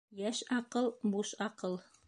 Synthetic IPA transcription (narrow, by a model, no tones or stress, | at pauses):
jæʃɑqɤlˠbuʃɑqɤlˠ